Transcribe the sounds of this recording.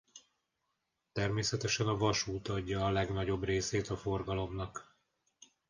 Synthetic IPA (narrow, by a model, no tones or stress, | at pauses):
t̪ɛrmeːsɛt̪ɛʃɛnɒvɒʃuːt̪ɒɟːɒːlɛɡnɒɟo̞breːseːt̪ɒfo̞rɡɒlo̞mnɒk